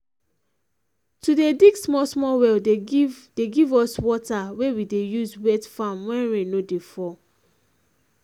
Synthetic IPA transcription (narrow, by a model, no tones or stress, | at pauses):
tudediɡsmɔsmɔwɛl | deɡivɔswɔtawewidejuzwɛdfãmwɛ̃ɹɛ̃nodefɔ